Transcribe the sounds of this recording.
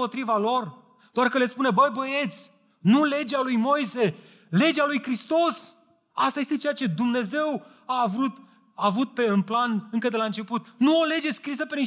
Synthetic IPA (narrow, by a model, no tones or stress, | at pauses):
o̞t̪ɾivalo̞r | d̪̥oarkəle̞spune̞bəjbəje̞t̪sʲ | nule̞d͡ʒealujmo̞jse̞ | le̞d͡ʒealujkɾist̪o̞s | ast̪aje̞st̪et͡ʃejat͡ʃe̞d̪umne̞ze̞w | aːvɾut̪ | aːvut̪̚pe̞ɨnplanɨŋkəd̪elaɨnt͡ʃe̞put̪nuole̞d͡ʒe̞skɾisəpe̞ni